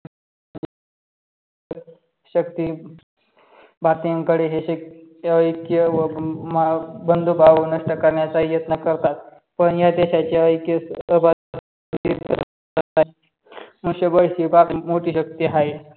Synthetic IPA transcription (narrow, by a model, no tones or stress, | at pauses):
ɕəkt̪i | bat̪ijəŋkəɽeɦeəəjkjəʋəmabənd̪ʱubʱaʋənəʂʈəkəɾɳjat͡sajət̪nəkəɾt̪at̪ | pəɳjad̪eɕat͡ɕeəjkjəəba | d̪iə̰ɾ | ət̪a | muɕəbəɭsibamoʈiːɕək̚t̪iɦaj